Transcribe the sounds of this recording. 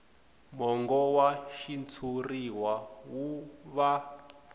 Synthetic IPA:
mɔŋɡɔwaʃint͡sʰuriwawuβa

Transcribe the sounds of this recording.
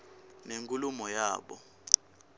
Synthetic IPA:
neŋkʼulumɔjaːɓɔ̰

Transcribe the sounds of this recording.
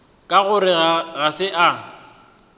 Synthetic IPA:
kʼaɣʊɾɪɣaɣasɪʔa

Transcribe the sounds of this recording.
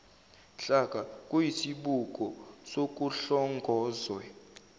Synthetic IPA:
ɬakʼakʼujisiɓukʼɔsokʼuɬɔŋɡʱɔːzwɛ

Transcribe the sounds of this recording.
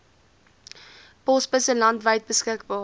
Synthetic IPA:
pɔspəsəlɐntvəjt̚bəskək̚bɑː

